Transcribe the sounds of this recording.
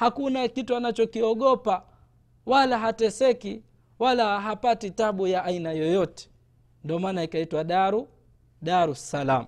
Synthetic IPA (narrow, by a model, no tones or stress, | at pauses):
hakunakituanat͡ʃɔkiɔɠɔpa | walaɦatɛsɛki | walaɦapatitaɓujaʔːinajɔjɔtɛ̥ | ndɔmaːnaikaitwaɗaɾu | ɗaɾusalamu